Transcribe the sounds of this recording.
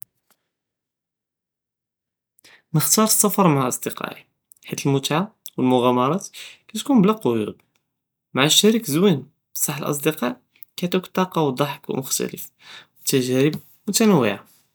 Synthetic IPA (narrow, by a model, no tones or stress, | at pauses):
nəxt̪ɑɾˤsˤːɑfɑɾˤmaʕʔɑsˤd̪əqɑ̰ʔi | ħit̪əlmʊt̪ʕawəlmʊɣæmɑɾˤɑt̪kæt̪kunblæqojṵd̪ | maʕaʃːæɾikzwin | bsˤɑħəlʔɑ̰s̬ˤd̪əqɑʔ | kæt̪ukt̪ˤːɑqɑwd̪ˤɑħəkwmʊxt̪æ̰ləf | wət̪ːæʒæɾəb̚ | mʊt̪ænəwːḭʕa